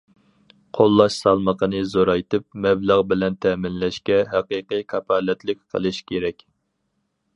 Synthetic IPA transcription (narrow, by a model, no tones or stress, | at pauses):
qʰolˠːɑʃsɑlˠməqʰənɨzoɾɑjt̪ʰɨp̚mɛblæʁbɪlɛnt̪ʰɛmɪnlɛʃkʲɛɦæqəqɨjkʰɑpʰɑːlɛt̪ʰlɪkʲqʰə̰lˠɨʃkʲʰeɾɛkʲ